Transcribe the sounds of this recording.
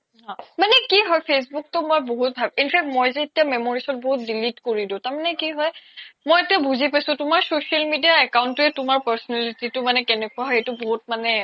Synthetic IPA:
ɦɔ̃manɛkiɦɔjpʰes̬buk̚tɔmɔjboɦut̚bʱabinpʰɛk̚tmɔjzɛːtijamɛmoɹisɔt̚boɦut̚dilitkoɹidʊ̃taɹmanɛkiɦɔjmojetijabuzipasʊ̃tʊmaɹsosialmidijaɛkaʊntʊɛtʊmaɹpaɹsɔnɛlititʊmanɛkɛnɛkʊaɦɔetʊboɦut̚manɛ

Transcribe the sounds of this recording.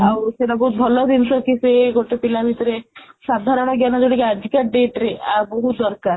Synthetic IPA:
awseʈabɔɦut̪̚bʱɔlɔd̪insɔkiseɡoʈepilabʱit̪ɔɾesad̪ʱaɾɔɽ̃ɔɡjanɔd͡ʒoɽikead͡ʒʱikaɖeʈɾeʔaɾboɦut̪d̪ɔɾkaɾ

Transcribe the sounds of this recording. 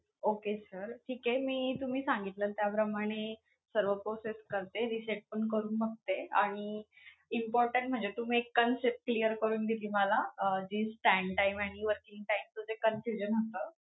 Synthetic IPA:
okesəɾʈʰiːkɦemiːt̪um̤iːsãŋɡit̪ləːt̪japɾəmaɽ̃e | səɾʋəpɾoseskəɾt̪eɾiseʈ̚pəɳkəɾuːnməɡ̚t̪eaɽ̃i | impɔɾʈəɳʈ̚m̤əɳd͡zet̪um̤iːekːənsep̚ʈ̚klijəɾkəɾuːnɡ̪iliːməlaəd͡ʑiːsʈɛɳʈaimaɽ̃iʋəɾkĩŋɡʈaimt͡səd͡zekənfjud͡ʑənəst̪əː

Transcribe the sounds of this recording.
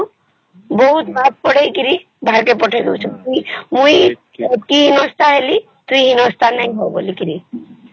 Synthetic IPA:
boɦut̪bab̚pɔɽejkiɾi | bʱaɾkepɔʈʰed̪ewt͡ʃʰɔuimũj | kiɦinɔst̪ʰaɦeli | t̪uiɦinɔst̪ʰanaj̃ɦɔbolikiɾi

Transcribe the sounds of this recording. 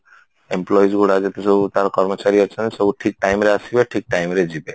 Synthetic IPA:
emplɔjsɡuɽad͡ʒet̪esɔbut̪aɾkɔɾmɔt͡ʃaɾiat͡ʃʰɔnsɔbuʈʰik̚ʈajmɾeasibeʈʰik̚ʈajmɾed͡ʑibe

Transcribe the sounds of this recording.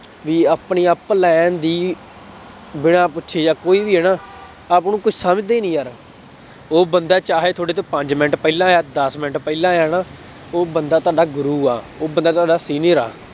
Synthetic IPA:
ʋiːaːpɳiːaːplɛːnd̪iː | bɪɽ̃ãːpʊtːʃʰeːjaːkoːiːbiːɦɛːnãː | aːpnũːkʊt͡ʃʰsaːmɪt̪d̪eːnĩːɦəɾ | oːbənd̪aːt͡ʃaːɦeːt̪ʰoːɽeːt̪eːpəɲd͡ʒmɪnəʈpɛiːlãːaːd̪əsmɪnəʈpɛiːlãːaːnãː | oːbənd̪aːt̪ʊaːɖaːɡʊɾuːa̰ː | oːbənd̪aːt̪oaːɖaːsiːniəɾa̰ː

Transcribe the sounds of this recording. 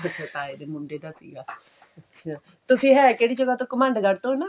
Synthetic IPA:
bɪtʰːet̪aːed̪eːmʊɳɖeːd̪asḭːɡaː | t̪ʊsĩːɦɛːkeːɽiːd͡ʒəɡaːt̪õːkəmãːɳɖkəɾt̪õːna

